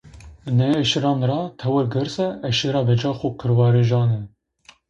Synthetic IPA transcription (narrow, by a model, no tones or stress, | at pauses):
nɛɛʃɾɑːnɾɑːt̪ʰɛwɨɾɡɨɾsɛɛʃiɾɑːbɛd͡ʒɑːxukʰɨɾwɑːɾeʒɑːnɛ